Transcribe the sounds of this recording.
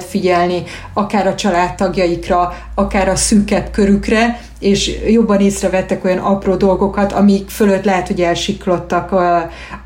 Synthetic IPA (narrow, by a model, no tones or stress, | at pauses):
t̪fiɟɛlni | ɒkaːɾɒt͡ʃɒlaːt̪ːɒɡjɒjikrɒ | ɒkaːɾɒsykɛpkøɾykrɛ | eːʃjo̞bːɒneːsrɛvɛt̪ːɛko̞jɒnɒproːd̪o̞lɡo̞kɒt̪ɒmikføløt̪lɛɦɛt̪ho̞ɟɛlʃiklo̞t̪ːɒk